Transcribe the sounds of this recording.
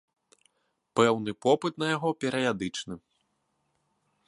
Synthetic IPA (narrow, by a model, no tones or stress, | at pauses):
pɛwnɨpɔpɨt̪nɐjaɣɔpʲɛɾɐjad̪ɨt͡ʂnɨ